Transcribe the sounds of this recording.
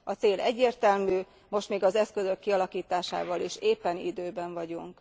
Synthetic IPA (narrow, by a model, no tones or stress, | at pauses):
ɒt̪seːlɛɟːeːrt̪ɛlmyː | mo̞ʃt̪meːɡɒzɛskø̞zø̞kːiɒlɒkiːt̪aːʃa̰ːvɒliʃeːpːɛnḭd̪øːbɛɱvɒɟuŋk